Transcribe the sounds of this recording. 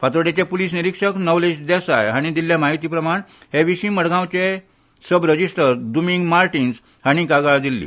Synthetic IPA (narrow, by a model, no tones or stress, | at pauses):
fat̪ɾəɽet͡ɕepuliːsniɾikʂəknɔwled͡ʑd̪ɛsajaɽ̃id̪ilːjamaɦit̪iːpɾəmaɳheʋiɕĩːməɽɡãwt͡ɕe | səbɾəd͡ʑisʈəɾd̪umiŋɡmaɾʈins | haɽ̃ikaɡaɭd̪ilːḭː